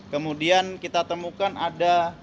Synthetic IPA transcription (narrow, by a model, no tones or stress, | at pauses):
kəmudiankit̪at̪əmukanʔada